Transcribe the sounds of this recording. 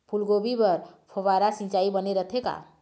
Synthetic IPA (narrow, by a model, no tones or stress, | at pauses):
pʰulɡobipəɾpʰoβaɾasĩt͡ʃaibəneɾət̪ʰeka̰